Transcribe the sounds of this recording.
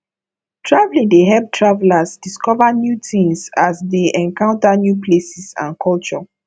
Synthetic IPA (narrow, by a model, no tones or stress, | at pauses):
tʰɹavlĩŋdeɦɛb̚tʰɹavlasdiskɔvanjutĩmsasdeʔɛ̃ŋkãʊ̃ntanjuplesisã̰nkʰɔlt͡ʃɔ